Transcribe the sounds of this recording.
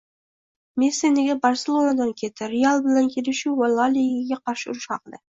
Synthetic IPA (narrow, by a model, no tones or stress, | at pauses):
mesenɪɡʲebɑɾselˠonad̪ɑŋkʲʰe̞t̪ʰɪɾealˠbɪlaŋkʲʰe̞lɪʃuwalˠːalʲiɪɡʲeqʰɑɾʃɪʊɾʊʃɑqd̪ɪ